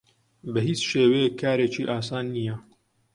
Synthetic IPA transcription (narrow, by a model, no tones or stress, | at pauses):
bɐɦiːt͡sʃeːwejekʰːaːɾeːt͡ʃiːʔaːsaːnːijɛ